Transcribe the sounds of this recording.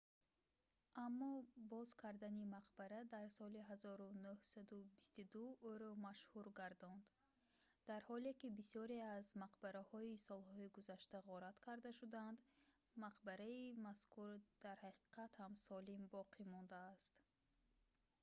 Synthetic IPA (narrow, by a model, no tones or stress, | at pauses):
ʔamːɔbɔzkʰaɾd̪animaqbaɾad̪aɾsɔliɦazɔɾunuhsad̪ubist̪ud̪uuɾɔmaʃhuɾɡaɾd̪ɔnd̪ | d̪̥aɾhɔlekibisɔɾeazmaqbaɾahɔisɔlhɔiɡuzaʃt̪aʁɔɾat̪kʰaɾd̪aʃud̪and̪ | maqbaɾaimaskʰuɾd̪̥aɾhaqʰi̥qʰat̪hamsɔlimbɔqʰimɔnd̪aːst̪